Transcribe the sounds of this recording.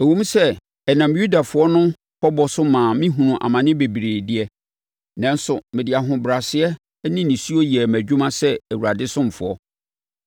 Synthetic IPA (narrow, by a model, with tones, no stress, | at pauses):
ɛ˨wũ˦m˦sɛ˦ | ɛ˨nã˨mju˦da˨fʊ˨˦ɔ˦nʊ̃˦ | pʰɔ˦bɔ˨sʊ˦mãː˨mɪ̃˦ɦũ˨nũ˨ʔa̰˨mã˨nɪ̃˦be˨bi˨ɾe˨dɪ˦ɛ˦ | nã˦n˦sʊ˨mɪ̃˨dɪ˨a˨ɦʊ̃˨bɾa˨sɪ˦ɛ˦ | nĩ˦nĩ˨su˦o˦ji˨ɛ˨mæ˨d͡ʑᶣũ˦mã˦sɛ˦æ˨wu˨ɾa˨dɪ˦sʊ̃˦m˨fʊ̰˨ɔ̰˦